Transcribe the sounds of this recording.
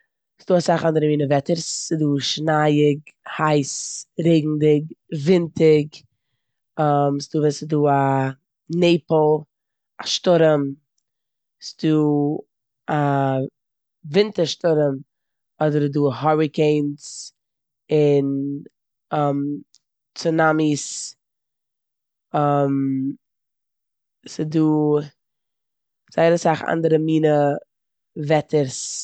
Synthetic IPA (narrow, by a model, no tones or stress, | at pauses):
sd̥uːasaχandəɾəmiːnəvɛtəɾsːɪduːʃnajɪɡhaɪsɾeɪɡŋ̩dɪɡvɪntʰɪɡ | ɔmsɪduːvɛsɪduːa | neɪpl̩ˠ | aʃtʊɾəm | sɪduː | a | vɪntəɾʃtʊɾəm | ɔdəɾduːhɔɹɪkeɪns | ɪn | ɔm | t͡sʊnamis | ɔm | sɪduː | z̥aɪɾəsaχa̰ndəɾəmiːnə | vɛtəɾs